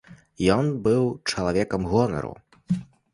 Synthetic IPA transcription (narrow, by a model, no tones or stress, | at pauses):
jɔnbɨwt͡ʂɐlˠavʲɛkɐmɣɔnɐ̰ɾṵ